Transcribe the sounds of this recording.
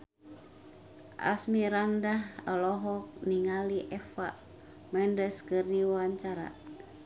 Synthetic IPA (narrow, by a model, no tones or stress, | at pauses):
ʔa̰smiɾandaɦalɔɦɔk̚niŋaliʔɛfa̰ | mɛndəskɨrdiwawaɲt͡ʃaɾa̰